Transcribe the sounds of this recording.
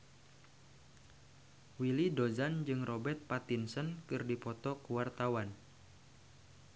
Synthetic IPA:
wilidozand͡ʒɨŋrɔbɛrt̪̚pat̪insənkɨrdipɔt̪ɔkuwart̪awan

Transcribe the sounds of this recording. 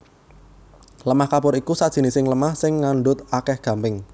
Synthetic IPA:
ləmahkapʊɾikusad̥ʒ̥i̤nisɪŋləmahsɪŋːaɳɖʊt̪̚akɛhɡ̥a̤mpɪŋ

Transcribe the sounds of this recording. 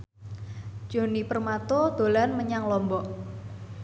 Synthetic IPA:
d͡ʒ̥onipərmat̪od̪̥o̤lanməɲaŋlɔmbɔʔ

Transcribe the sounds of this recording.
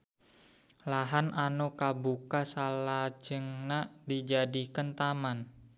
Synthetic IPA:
laɦanʔanukabukasalad͡ʒəŋnaʔdid͡ʒadikənt̪aman

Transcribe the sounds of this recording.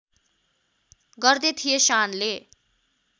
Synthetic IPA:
ɡʌrd̪et̪ʰijesanle

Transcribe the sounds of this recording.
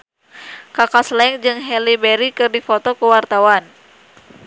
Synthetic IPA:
kakaslɛŋd͡ʒɨŋɦɛlibɛɾikɨrdifɔt̪ɔkuwart̪awan

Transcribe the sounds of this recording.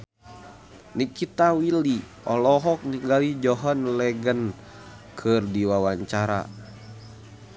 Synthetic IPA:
nikit̪awili | ɔlɔɦɔk̚niŋɡalid͡ʒɔɦɔnlɛɡən | kʰɨrdiwawaɲt͡ʃaɾa̰

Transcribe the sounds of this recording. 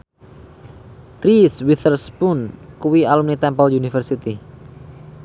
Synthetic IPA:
riswiθərspunkuwialumnit̪ɛmpɔlunifərsit̪i

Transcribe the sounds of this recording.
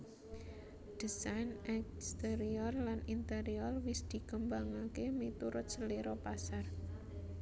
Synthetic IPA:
d̪̥isajnɛkst̪eɾiɔrlanint̪eɾiɔrwɪsd̪̥i̤kəmbaŋakemit̪uɾʊt̪̚səliɾɔpasar

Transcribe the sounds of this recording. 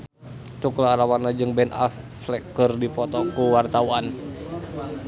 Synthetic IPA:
t̪uklaːlawanːad͡ʒɨŋbɛna̰f | flɛkɨrdipɔt̪ɔkuwart̪auan

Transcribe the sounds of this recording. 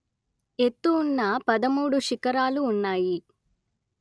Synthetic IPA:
e̞t̪ːuːnːɐpɐd̪ɐmuːɽuʃikɐɾaːluːnːaːji

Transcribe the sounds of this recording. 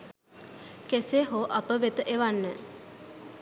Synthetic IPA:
keseɦoʔapəʋet̪əʔeʋanːə

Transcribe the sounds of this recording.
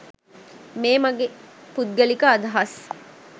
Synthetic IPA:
meːmɐɡepud̪̚ɡɐlikaːd̪ɐɦɐs

